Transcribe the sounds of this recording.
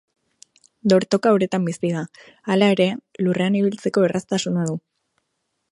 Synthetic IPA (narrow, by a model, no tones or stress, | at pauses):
d̪o̞ɾt̪o̞kaoɾe̞t̪ambisiða | alae̞ɾe̞lure̞aniβ̞ilt͡se̞ko̞erʔast̪asunað̞u